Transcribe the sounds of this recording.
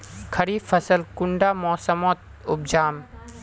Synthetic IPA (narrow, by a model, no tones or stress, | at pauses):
kʰɐɾiːfɐsəlkʊɳɖaːmɔːsəmɔːt̪̚ | ʊb̚d͡ʒaːm